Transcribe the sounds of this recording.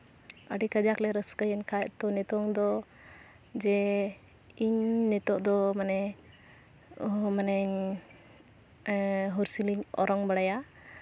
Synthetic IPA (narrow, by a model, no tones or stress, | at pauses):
ə̰ɖikəd͡ʒaklɛɾəskəjənkʰaɛʔt̪ɔnɛt̪ɔŋd̪ɔ | d͡ʒɛ | iɲnɛt̪ɔʔd̪ɔmanɛ | ɔɦmanɛɲ | ɦɔɾsiliɲɔ̰ɾɔŋbəɽaja